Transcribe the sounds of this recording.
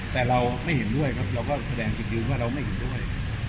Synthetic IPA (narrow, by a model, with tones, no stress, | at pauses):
t̪ɛː˨˩ɾa˧wma˥˩jhe˩˦ndu˥˩əjkʰa˦˥p̚ɾa˧wkɔː˥˩sa˧dɛː˧ŋt͡ɕi˨˩ɯː˧nwaː˥˩ɾa˧wma˥˩jhe˩˦ndu˥˩əj